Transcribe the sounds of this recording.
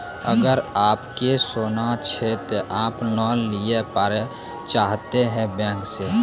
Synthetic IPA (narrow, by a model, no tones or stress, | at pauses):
əɡəɾaːpkesoːnat͡ʃʰɛt̪oʔaːpnɔːliepaːɾe | t͡ʃaːɦt̪eɦɛ̃bɛ̃ːŋkse